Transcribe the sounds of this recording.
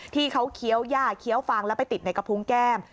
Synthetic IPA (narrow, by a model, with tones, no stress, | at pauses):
t̪ʰiː˥˩kʰa˦˥wkʰi˦˥əwjaː˥˩kʰi˦˥əwfaː˧ŋlɛː˦˥pa˧jt̪i˨˩t̪̚na˧jka˧pʰu˦˥ŋkɛː˥˩m